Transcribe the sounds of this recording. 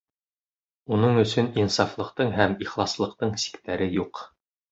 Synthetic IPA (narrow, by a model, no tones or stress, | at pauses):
unɤɴɵ̆sɵninsɑflˠɤ̆qt̪ɤɴɦæmiχlˠɑslˠɤ̆q̚t̪ɤɴsi̥kt̪æɾɘjuq